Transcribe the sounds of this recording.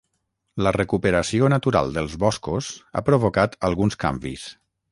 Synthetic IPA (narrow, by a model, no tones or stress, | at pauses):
lərəkupəɾəsionət̪uɾa̰lˠd̪əlˠzβɔskuza̰pɾoβokat̪əlˠɣunska̰mbḭs